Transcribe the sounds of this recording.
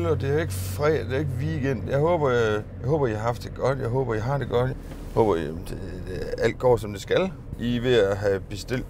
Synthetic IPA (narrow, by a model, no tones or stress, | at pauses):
lɒd̥e̝æɐe̝ɡ̥əfʁɛd̥e̝æɐe̝ɡ̥əʋiiɡ̥en̰jɑ̈ɪhɔːb̥ɐjɑ̈ɪhɔ̽ːb̥ɐihɑ̈hɑ̈fd̥e̝ɡ̥ɒ̽d̥jɑ̈ɪɦɔːb̥ɐiɦɑ̈d̥e̝ɡ̥ɒ̽d̥j | hɔ̽ːb̥ɐemd̥e̝ | d̥eʔæl̰d̥̚ɡ̥ɒ̰ːsɒ̽md̥esɡ̥æl | ʔiʋe̝æɦæb̥e̝sd̥e̝l̰d̥